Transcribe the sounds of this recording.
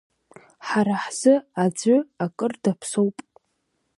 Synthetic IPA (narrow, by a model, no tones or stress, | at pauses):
ħaɾaħz̥ɨad͡zʷʊakʼɨrdapʰsowpʼ